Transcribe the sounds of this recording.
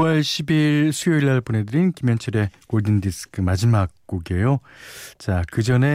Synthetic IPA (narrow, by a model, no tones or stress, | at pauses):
ʌɭɕʰibiɭsʰujoiɭːaɭpone̞dɯɾinkimjʌnt͡ɕʰʌɾe̞koɭdindisʰɯ̥kʰɯmad͡ʑimak̚k͈oɡe̞jot͡ɕakɯd͡ʑʌne̞